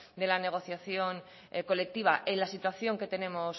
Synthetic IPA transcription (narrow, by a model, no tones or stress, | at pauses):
d̪e̞lane̞ɣ̞o̞θjaθjo̞n | ko̞le̞k̚t̪iβ̞aʔelasit̪waθjo̞ŋke̞t̪e̞ne̞mo̞s